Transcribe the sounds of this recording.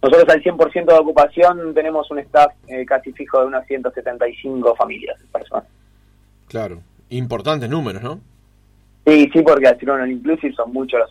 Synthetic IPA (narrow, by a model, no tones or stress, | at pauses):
noso̞t̪ɾos̬alsje̞mpoɾsjent̪oðokupasjo̞nt̪e̞ne̞mo̞sunest̪afekasifixoðeunasjent̪oset̪ent̪ajsiŋko̞familja̰sepeɾso̰nas | klaɾo | impoɾt̪ant̪eznumeɾozno | sisipoɾkealsiɾonoliŋklusifsonmut͡ʃolos